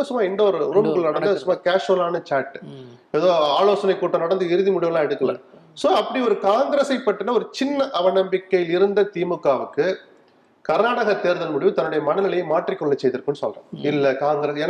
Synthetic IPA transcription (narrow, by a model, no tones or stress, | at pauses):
ɐɯsɯmːaːɪnɖoɾɯɾuːmkɐɭnɐɽɐnd̪ɐðɯsɯmːaːkeːʂɐlaːnɐt͡ʃaːʈːɯ̥ | ɛðoːaːloːsɐnɐɪkːuːʈːɐnɐɽɐnd̪ɯɪɾɯðimʊɽɪʋɐlãːɛɽɯkːɐlɐ̰ | soːɐpːɐɽiɔɾɯkaːŋɡɾesɐɪpːɐʈːɯnːɐɔɾɯt͡ʃɪnːɐʔɐʋɐnɐmbɪkːɐjɪlɪɾɯnd̪ɐt̪iːmɯkːaːʋɯkːɯ | kɐɾnaːɽɐɣɐt̪eːɾðɐlmʊɽɪʋɯ̃t̪ɐnːɯɽɐjɐmɐnɐlɪlɐjmaːʈrikːɔɭːɐt͡ʃːɛjðɯɾɯkːɯnːɯsɔ̰lrã̰ɪlːɐkaːŋɡɾesɛːn